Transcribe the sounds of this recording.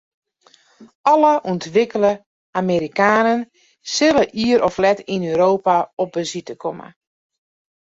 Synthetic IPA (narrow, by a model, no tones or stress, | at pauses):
ɔləʔuntʋɪkələ | ameɾikaːnən | sɪləʔiəɾɔflɛtinøːɾoːpaɔp̚bəzitəkʰɔmə̰